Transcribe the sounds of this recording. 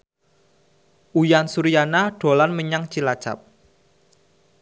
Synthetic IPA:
ʔujansuɾijanaɖ̥o̤lanməɲaŋt͡ʃilḁt͡ʃa̰p̚

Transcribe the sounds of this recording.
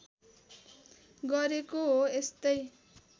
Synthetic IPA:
ɡʌɾekoɦoest̪ʌj

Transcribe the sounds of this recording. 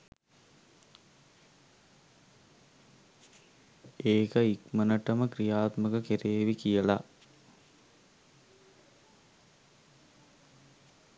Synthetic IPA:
eːkəikmənəʈəməkrijaːt̪məkəkeɾeːʋikijəla

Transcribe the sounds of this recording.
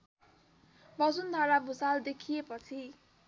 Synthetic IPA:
bʌd͡zund̪ʱaɾabʱusald̪ekʰijepʌt͡sʰi

